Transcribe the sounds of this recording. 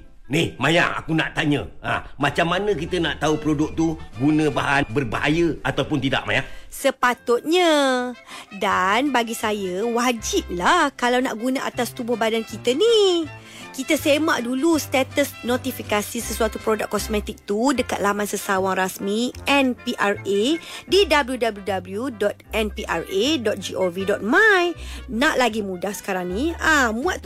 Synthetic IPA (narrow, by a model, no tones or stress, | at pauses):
nihmaja̰ŋa̰kuna̰ʔt̪aɲə̃a̰mat͡ʃamːanə̃k̬it̪ənaʔt̪aupɾodʊk̚t̪uɡunə̃baɦanbərbaɦa̰jəat̪apʊnt̪ida̰ʔma̰jaŋsəpat̪ʊt̪̚ɲa | danbaɡisajəwad͡ʒip̚lahkalawna̰ʔɡunãʔat̪ast̪ubʊhbadankit̪əni | kit̪əsemãʔdulust̪ɛt̪əsnot̪ifikasisəsuat̪upɾodakkːɔsmɛ̃t̪ik̚t̪udəkat̪̚lamansəsawaŋrasmiɛnpiʔaredidabəljudabljudabljudɔt̪̚ɛnpiʔa̰redɔt̪̚d͡ʒiʔovidɔt̪̚majnãʔlaɡimũdahsə̥kaɾaŋnĩãmũaʔ